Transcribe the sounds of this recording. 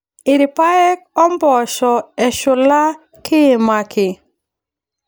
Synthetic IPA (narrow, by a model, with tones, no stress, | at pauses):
ɪ˨ɾɪ˨pa˦ɛ˦k̚ɔ˦mbɔ˨ʃɔ˨ɛ˨ʃʊ˨la˦ | kɪ˦e˨ma˨kʰɪ˨